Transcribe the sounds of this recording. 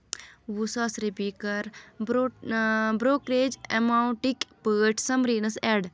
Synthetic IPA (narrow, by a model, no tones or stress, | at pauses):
ʋusaːsɾepikɐɾb | bɾoːkɾeːd͡ʒḛmaːuɳʈikpəːʈʰsɐmɾiːnɐsɛɖ